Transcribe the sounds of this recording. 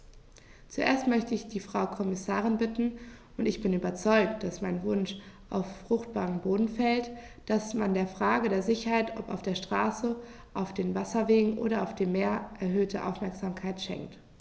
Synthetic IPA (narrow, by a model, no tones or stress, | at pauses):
t͡suʔḛːɐstmœçtəɪçd̥iːfʁ̥aʊkʰɔmɪsaːʁ̞ɪnbɪtn̩ | ʊntɪçb̥ɪnyːbɐt͡sɔʏk̚td̥asmaɪnvʊnʃʔaʊfːʁ̥ʊxt̚b̥aːʁəmboːdn̩fɛlt | d̥asmandeːɐfʁ̥aːɡədeːɐzɪçɐhaɪtɔ̰pa̰ʊfd̥eːɐʃtʁ̥aːsə | ʔaʊfd̥eːnvasɐveːɡŋ̩ʔo̰ːɾɐaʊfd̥eːmːeːɐʔɛɐɦøːtʰə̰ʔa̰ʊfmɛɐkz̥aːmkʰaɪtʃɛ̰ŋkt